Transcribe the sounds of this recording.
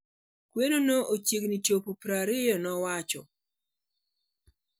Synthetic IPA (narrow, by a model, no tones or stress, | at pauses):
kwenonoʔot͡ʃiɡnit͡ʃopupɾaɾɪjɔnɔwat͡ʃɔ